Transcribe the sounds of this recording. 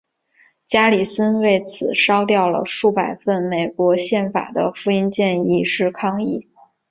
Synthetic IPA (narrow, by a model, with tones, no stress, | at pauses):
t͡ɕja˥li˨˩sə˥nwe˥˩ɪt͡sʰɹ̩˨˩ʂɑ˥ʊt̪jɑ˥˩ʊlə̰˩ʂu˥˩pa˨˩ɪfə˥˩nme˨˩ɪkwɔ˧˥ɕjɛ˥˩nfa̰˨˩d̪ə̰˦fu˥i˥nt͡ɕjɛ˥˧ni˥˧ʂɻ̩˥˧kʰɑ˥˧ŋi˥˩